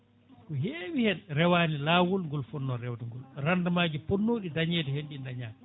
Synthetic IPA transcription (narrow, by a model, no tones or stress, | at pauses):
kɔɦeːwihɛnɾɛwaːnilaːwulŋɡɔlfɔnːɔɾɛwdɛŋɡɔlrandamaːd͡ʒipɔnːoːɗidaɲɛːtɛhenɗindaɲaːm